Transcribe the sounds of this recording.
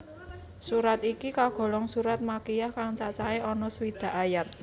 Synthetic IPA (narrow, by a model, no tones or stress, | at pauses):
suɾat̪ikikaɡ̥ɔ̤lɔŋsuɾat̪̚makijahkaŋt͡ʃat͡ʃaeʔɔnɔswid̪̥a̤ʔajat̪̚